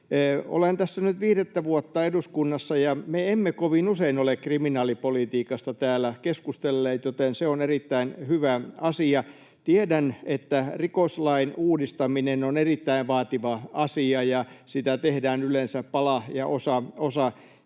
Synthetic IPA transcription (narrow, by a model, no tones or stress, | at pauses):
o̰lent̪æsːænyt̪ʋiːɾet̪ːæʋuot̪ːɑeduskunːɑsːɑjɑmeemːekoʋinuseinolekkriminɑːlipolit̪iːkɑst̪ɑt̪æːlːˑækeskust̪elːeːt̪jot̪enseonerit̪ːæinhyʋæɑsiɑ | t̪iedænet̪ːærikoslɑinuːdist̪ɑminenonerit̪ːæiʋʋɑːt̪iʋɑɑsiɑjɑsit̪æt̪ehdæːnylensæppɑlɑjɑʔosɑosɑ